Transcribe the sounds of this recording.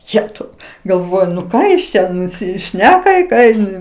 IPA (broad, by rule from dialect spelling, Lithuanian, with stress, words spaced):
ˈjæːtɐʊ ɡɐlˠˈʋoːjʊ nʊ ˈkɑː jɪs ˈt͡ʃʲɛ nʊsʲɪˈʃʲnʲæːkɐ ɪ ˈkɑː ɪn